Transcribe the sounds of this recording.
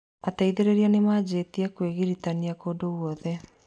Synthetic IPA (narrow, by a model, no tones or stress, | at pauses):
ataiðeɾeɾianemad͡ʑetiɛkweɣiɾitaniakoːdowɔðɛ